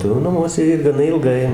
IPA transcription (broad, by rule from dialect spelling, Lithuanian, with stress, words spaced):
tɐɪ jɛʊ nɐˈmuɔsʲɛ ɪr ɡɐˈnɐ ɪlˠˈɡɐɪ